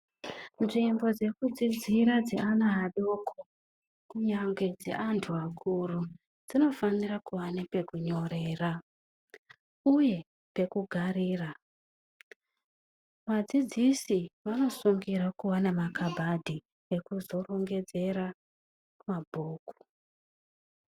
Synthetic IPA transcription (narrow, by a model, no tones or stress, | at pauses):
nʐimbo̞d͡ze̞kud͡zid͡ziɾad͡zḛʔanaɦaɗoːkʰo | kuɲaŋɡwe̞d͡zḛʔantʰuakʰuɾu | d͡zino̞fanirakuwanepe̞kuɲo̞ɾe̞ːra | uje̞ | pe̞kuɡʱariːra | mad͡zid͡zisiʋano̞suŋɡiɾakuwanamakabʱadʱi | ekuzo̞ro̞ŋɡe̞d͡ze̞ɾa | mabʱoːku̥